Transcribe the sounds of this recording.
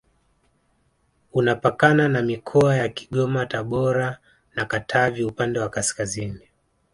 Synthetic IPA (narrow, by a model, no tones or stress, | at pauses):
unapakananamikʰɔajakiɠɔmataɓɔɾa | nakatʰaviupandɛwakaskazini